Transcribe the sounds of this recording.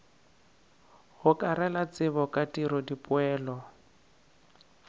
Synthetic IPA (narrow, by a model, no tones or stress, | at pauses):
hʊkʼaɾɛlat͡sɪβɔkʼatʼiɾɔdipʼʊɛːlɔ